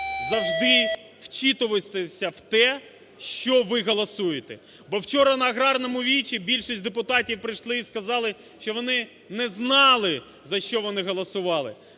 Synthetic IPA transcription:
zɐwʒd̪ɪ | wt͡ʃit̪ʊʋɪsʲt̪esʲɐwt̪ɛ | ʃt͡ʃɔʋɪɦɔlˠɐsujet̪ɛ | bɔwt͡ʃɔɾɐnɐːɣɾɑrnɔmʊʋʲit͡ʃʲibʲilʲʃisʲtʲd̪epʊt̪ɑtʲiwpɾɪjʃlˠɪiskɐzɑlˠɪ | ʃt͡ʃɔʋɔnɪ | nɛznɑlˠɪ | zɐʃt͡ʃɔʋɔnɪɦɔlˠɐsʊʋɑlˠɪ̰

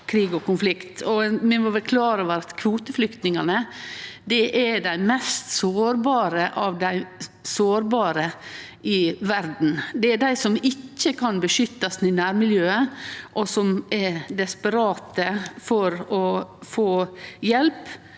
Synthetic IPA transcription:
kʰɾiːɡɔkʊnflɪkt̪ʰɔmɛmɔʋɛkʰlɑːɾəʋəɾɑt̪kʰʋuːt̪əflʏkt̪nɪŋɑnəd̪ɛʔɛɖæɪmɛst̪soːɾbɑːɾəʔɑʋd̪æɪsoːɾbɑːɾə | ʔɪʋæɾd̪n̩d̪ɛæɖæɪsɔmɪcːəkʰɑnbəʃʏt̪ːɑsn̩ɪnæːɾmɪljøːəʔɔsɔmɛɾd̪ɛspəɾɑːt̪əfɔɾɔfoːjɛlp

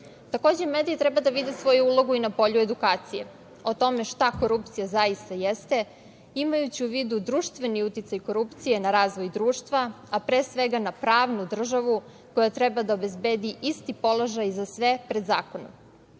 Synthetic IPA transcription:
t̪ako̞ːd͡ʑemed̪iit̪ɾɛbad̪aʋid̪esʋo̞juuːlˠo̞ɡuinapo̞ʎue̞d̪ukaːt̪sijḛ | o̞t̪o̞me̞ʃt̪ako̞ɾupt̪sijazaist̪ajest̪e̞ | imajut͡ɕiuʋid̪ud̪ɾuʃt̪ʋe̞niut̪it̪sajko̞ɾupt̪sije̞naɾaːzʋo̞jd̪ɾuːʃt̪ʋa | apɾeːsʋeɡanapɾaːʋnud̪r̩ʒaʋu | ko̞jat̪ɾɛbad̪aobe̞zbeːd̪iʔist̪ipo̞loʒajzasʋepɾe̞d̪zaːko̞no̰m

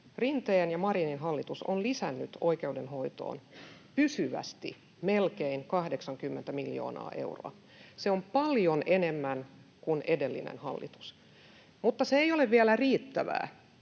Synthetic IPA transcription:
rint̪eːnjɑmɑrininɦɑlːit̪usonlisænːyt̪oike̞udenho̞it̪o̰ːnpysyʋæ̰st̪ḭ | melkeinkɑhdeksɑŋkymːent̪æmiljo̰ːnɑ̰ːʔe̞̰uro̰ɑ̰ | seompɑljonenemːænkunedelːḭnḛnhɑlːḭt̪u̥s | mut̪ːɑseejoleʋʋiælæriːt̪ːæʋæ̰ː

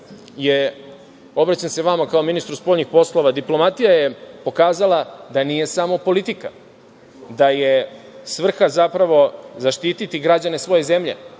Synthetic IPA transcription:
je | o̞bɾat͡ɕense̞ʋamakaominist̪ɾuspoʎɲixpo̞slˠo̞ʋad̪iplo̞mat̪ijajepo̞kaːzalˠad̪anije̞samo̞po̞lit̪ika̰ | d̪ajesʋr̩xazapɾaʋo̞zaʃt̪iːt̪it̪iɡɾad͡ʑane̞sʋo̞jeze̞mʎḛ

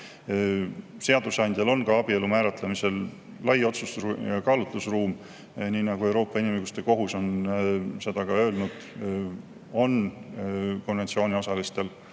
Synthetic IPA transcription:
se̞ɑd̪̥usɑnd̪̥ʲjɑlo̞nkɑɑb̥ie̞lumæːɾɑt̪lemise̞l | lɑjo̞t̪susjɑkɑːlut̪lusruːm | niːnɑɡ̥ue̞wɾo̞ːpːɑinʲimɯjɡust̪e̞ko̞ɦuso̞nse̞d̪̥ɑkɑø̞ːlnud̪̥ | o̞n | ko̞nve̞nt̪sio̞ːnʲio̞sɑlist̪e̞l

